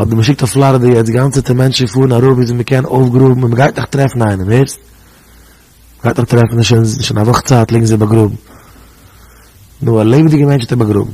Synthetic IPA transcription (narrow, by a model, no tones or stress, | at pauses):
ɔdəməʃ̬ɪk̚tɔflˠaɾədɪɛdɪɡant͡sətəmɛnt͡ʃɪfuːɾnaɾʊpizɪməkɛnoʊfɡɾubm̩ɪnməɡaɪtnɪχtɾɛfn̩aɪnəmhɪɾs | məɡaɪtnɪχtɾɛfn̩ɪʃnnɪʃɪnavʊχt͡saːtlˠɪːɡŋ̩zɪbaɡɾʊbm̩ | nʊalˠeɪbɪdɪɡəmɛnt͡ʃɪtbaɡɾʊ̰bm̩